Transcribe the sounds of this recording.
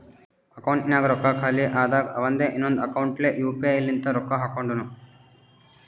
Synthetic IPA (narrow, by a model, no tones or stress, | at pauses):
ɐkɐwuɳʈnjaːɡɐɾɔkːakʰaːliʔaːd̪aɡɐʋɐnd̪eːʔinːond̪uɐkɐwuɳʈleːʔjuːpːilːint̪ɐɾɔkːaɦaːkɐwɳɖunu